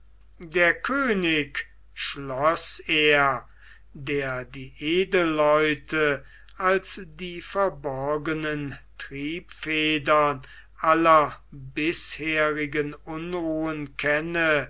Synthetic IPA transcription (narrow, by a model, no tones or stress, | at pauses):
deːɐkʰøːnɪk | ʃlɔseːɐ | deːɐdiːʔeːdəlːɔʏtʰə | alsdiːfɛɐbɔɐɡənəntʁiːpfeːdɐn | ʔalɐbɪsheːʁɪɡənʊnʁuːənkʰɛnə